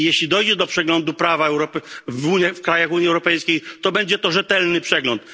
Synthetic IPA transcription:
jeɕlʲid̪ɔjd͡ʑɛd̪ɔpʂɛɡlɔnd̪upɾavaɛwɾɔpvuɲafkɾajaxuɲiɛwɾɔpɛjskʲejt̪ɔbɛɲd͡ʑɛt̪ɔʐɛt̪ɛlnɘpʂɛɡlɔnt̪

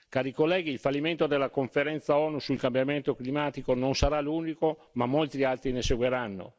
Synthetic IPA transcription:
kaːɾikolːɛːɡiːlfalːiment̪od̪elːakoɱfeɾɛnt̪saɔːnusulkambjament̪oklimaːt̪ikononsaɾaluːnikomamːolt̪ɾialt̪ɾineseɡweɾanːo̰

